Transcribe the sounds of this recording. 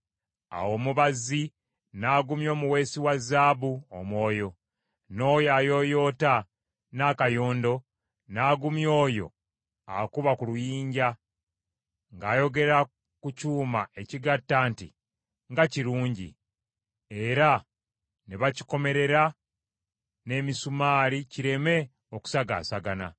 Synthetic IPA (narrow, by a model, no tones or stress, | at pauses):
a̰wo̞ːmuβazi | naːɡumjo̞ːmuwe̞ːsiwazːaːβuomwo̞ːjo̞ | no̞ːjaːjo̞jo̞ːta | nakajoːndo̞ | naːɡumjo̞ːjo̞̰ | a̰kuβakulujiːɲɟa | ŋɡaːjo̞ɡe̞ɾa | kucuːmae̞ciɡatːaːntḭ | ŋɡaciɾuːɲɟḭ | e̞ɾa | neβaci̥ko̞me̞ɾe̞ɾa | ne̞ːmisumaːliciɾe̞me̞ | oku̥saɡa̰ːsaɡana̰